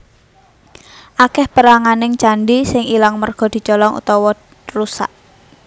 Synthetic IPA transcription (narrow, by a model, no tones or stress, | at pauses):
ʔakɛhpəɾaŋanɪŋt͡ʃaɳɖisɪŋilaŋmərɡ̥ɔ̤d̪̥i̤t͡ʃɔlɔŋṵt̪ɔwɔ | rusa̰ʔ